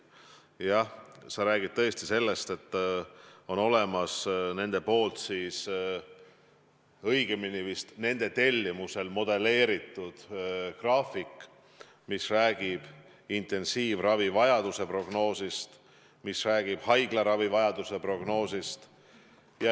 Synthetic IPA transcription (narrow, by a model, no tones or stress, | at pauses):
jɑsɑɾæːɡ̥id̥̚t̪ɤ̞est̪ise̞lːe̞st̪e̞t̪ː | o̞no̞le̞mɑsne̞nd̪̥e̞po̞ːlt̪siːs | ɤjɡ̥eminivist̪ne̞nd̪̥e̞t̪e̞lʲːimuse̞lmo̞d̪̥e̞le̞ːɾit̪ːˑud̪̥krɑːfikˑ | misræːɡ̥ib̥ | int̪ˑe̞nsiːvrɑvivɑjɑd̪̥use̞pro̞ɡ̥no̞ːsist̪ | misræːɡ̥ib̥hɑjɡ̥lɑɾɑvivɑjɑd̪̥use̞pro̞ɡno̞ːsist̪ | jɑ